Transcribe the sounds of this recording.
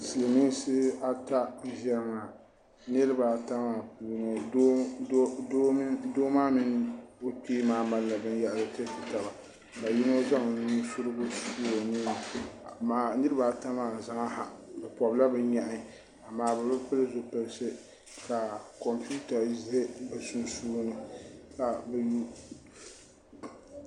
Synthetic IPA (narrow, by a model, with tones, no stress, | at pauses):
sɨ˨lɨ˨mi˦sɨ˦a˦ta˦ʒɛ˦ɾɨ˦ŋa˨ | nɨ˦ɾɨ˦ba˨ta˦ma˨puː˨nɨ˨˦ | o˦doː˦maː˦mɨ˦n˦o˦piː˦maː˨˦ma˦lla˨bɨ˦n˦jɛ˦˨ʔlɨ˨te˦fi˨ta˨ba˨ | ka˨ji˦no˦za˦ŋ˨nu˦sʊ˦ɾɨ˦bʊ˦su˦o˨ni˦n˨maː˨nɨ˦ɾɨ˦ba˨ta˦maː˨za˦ŋa˦ha̰˨bɛ˨pɔ˨bla˦bɛ˦ɲa˨ʔɪ˦˨ | a˨maː˦bɛ˨bɛ˦pɨ˦lɨ˦zo˨pɛ˨lɨ˦sɨ˦ | ka˨kɔ˨mpu˦ta˨˦zɪ˦he˦bsu˦nsuː˦nɨ˨ka˨bɛ˨ju˦